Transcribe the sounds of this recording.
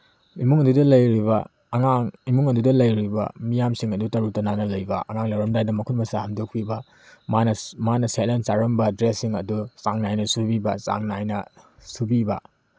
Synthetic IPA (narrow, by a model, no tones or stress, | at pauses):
imuŋɐdudɐlɐjɾiβɐ̰ | ɐŋaŋimuŋɐdudɐlɐjɾibɐ̰mijamsiŋɐdutɐɾutɐnanɐlɐjbɐ̰ʔɐŋaŋlɐwɾɐmdajdɐmɐkʰutmɐsahɐmdok̚pʰibɐ | manɐmanɐselensaɾɐmbɐdɾesːiŋɐ̰dusaŋnajnɐsubibɐsa̰ŋnajnɐsubibɐ̰